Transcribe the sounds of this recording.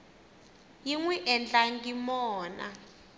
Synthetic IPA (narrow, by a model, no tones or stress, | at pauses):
jiŋwɛʔɛnd͡ɮʼaŋɡimɔːna̰